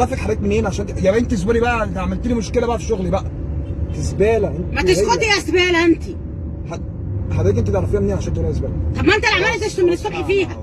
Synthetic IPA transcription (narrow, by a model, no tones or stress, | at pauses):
ɑfækħaɾˤæːt̪menʔeːnʕaʃæːnt̪jæbæʔent̪ies̬buɾibæʔæet̪ʕamælt̪elimoʃkelæbæʔæfiʃoɣlibæʔæt̪ezbæːlæʔenmæt̪esqot̪iæzbæːlæʔænt̪i | ħa | ħad̪æːt̪ʔent̪it̪ʕɾˤɑfejæmenːeːnʕaʃænt̪olæʔæsbæːlæt̪ˤɑbmæʔent̪ælʕamælt̪æʃt̪æmːenesːobħfiːhæ